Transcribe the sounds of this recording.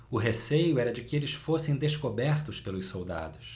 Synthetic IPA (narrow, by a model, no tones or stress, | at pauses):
ʊɦesejʊɛɾɐd͡ʒɪkɪelɪsfosẽj̃d̪eskobɛɾt̪ʊspelʊssowd̪a̰d̪ʊs